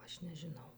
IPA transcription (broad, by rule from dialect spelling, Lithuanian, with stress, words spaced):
ˈɐʃ nʲɛʒʲɪˈnɐʊ